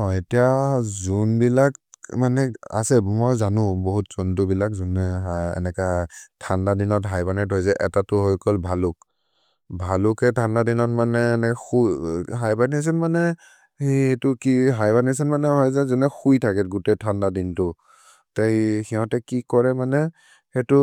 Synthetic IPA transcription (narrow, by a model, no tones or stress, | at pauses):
ɔetijazunbilak̚manɛa̰sɛmɔjzanʊ̃boɦutz̥untʊbilakzunɛɛ̰nɛkatʰandadinɔtɦajbanɛtɔjzɛʔɛtatʊɦojkɔlbʱalʊk̚ | bʱalʊkɛtʰandadinɔtmanɛnɛxuɦajbanias̬ɛnmanɛ | eetʊkiɦajbanis̬ɛnmanɛɦɔjzɛzunɛxujtʰakɛtɡutɛtʰandadintʊ | tajxiɦɔ̃tɛkikɔɹɛmanɛ | hɛtʊ